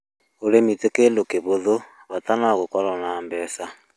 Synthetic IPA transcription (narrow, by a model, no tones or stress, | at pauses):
olemitekelokeβoðo | βatanaɣokɔɾɔnambɛsa